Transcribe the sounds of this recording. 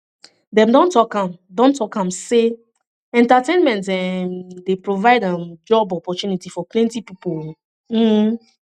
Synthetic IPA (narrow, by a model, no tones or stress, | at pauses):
dɛ̃mdɔ̃ntɔkãmdɔ̃ntʰɔkãmse | ɛ̃ntatʰẽnmɛ̃ntɛmdepɹovaɪdãnd͡ʒɔbɔpɔt͡ʃjunitifɔplɛ̃ntipipol | m̩